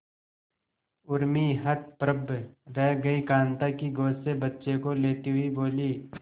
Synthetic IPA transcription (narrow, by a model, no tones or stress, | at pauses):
ʊɾmiɦət̪̚pɾəbʱɾɛɦɡɐikãːnt̪akiɡoːsebətːʃekoleːt̪iɦʊiboːliː